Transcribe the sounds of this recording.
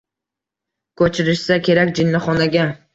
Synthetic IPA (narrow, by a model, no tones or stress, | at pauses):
kʰɵt͡ʃʰɪɾɪʃsakʲʰe̞ɾakʲd͡ʒɪnːɪχɒnaɡʲa